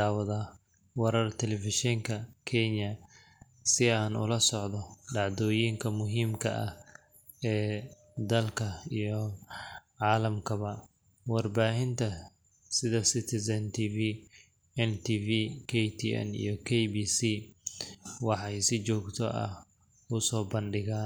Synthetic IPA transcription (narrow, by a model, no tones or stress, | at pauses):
aːwɐðaː | wɛɾɐrt̪ʰɛlɛfɪʃɛŋkʰɐkʰɛɲɐ | sɪaːnʊ̰lɐsɔʕdɔɖɑʕd̪ɔːjiŋkʰɐmʊɦiːmkʰɐʔɐh | ɛː | d̪ɐlkʰɐijɞ | ʕɑːlɐmkʰɐβɐ | wɑrbaːɦɪnt̪ʰɐ | sɪðɐsɪt̪ʰɪsɐnt̪ʰiːviː | ɛnt̪ʰiːviːkʰɛjt̪ʰḭɛ̰nḭjɞkʰɛjbiːsiː | wɑħɑjsɪt͡ʃɔːɡt̪ʰɔ̰ɐ̰h | ʊsɔːbɐnɖɪɣaː